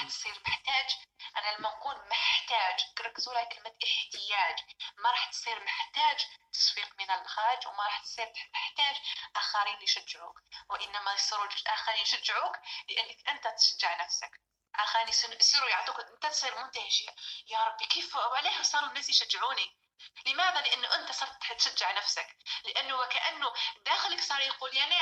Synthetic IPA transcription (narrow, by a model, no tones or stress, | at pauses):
ɾˤɑħt̪sˤiːɾməħt̪æːd͡ʒʔænælamːæquːlməħt̪æːʒɡɾˤɑkːzwuɾjkəlmæt̪ʔəħt̪ɪjaæːd͡ʒmaɾˤɑːħt̪sˤiːɾməħt̪æːd͡ʒt̪ɑ̥sˤwiːqmənəlxɑd͡ʒwmaɾˤɑːħt̪sˤiːɾt̪məħt̪æːd͡ʒʔaxaɾiːnliʃæd͡ʒːʕuːkwɪʔɪnːæmæjsˤiːɾulʔaxaɾiːnʃæd͡ʒːʕuːklɪʔanːakʔɪnt̪at̪ʃad͡ʒːɪʕnafsak | ʔaːxɾinjsjsˤiːɾujʕad̪uːkʔɪnt̪at̪sˤiːɾmʊnt̪ahɪʃjajɑɾˤɑbːikiːfhʊawʕaleːhwsˤɑːɾˤʊnːaːsjʃad͡ʒːʕuːni | lɪmaːðalɪʔanːʊʔɪnt̪asˤɑːɾˤt̪t̪ʃad͡ʒːɪʕnafsaklɪʔanːʊwkaʔanːʊd̪aːxɪlɪksˤɑːɾˤjaquːljani